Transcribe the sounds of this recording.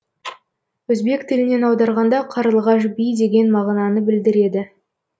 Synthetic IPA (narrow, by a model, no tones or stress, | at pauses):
wɵzbe̞kt̪ʰɪlɪne̞nɑwd̪ɑɾʁɑnd̪ɑqʰɑɾəlˠʁɑʃ̬bijd̪e̞ɡʲe̞nmɑʁnɑnəbɪld̪ɪɾe̞d̪ɪ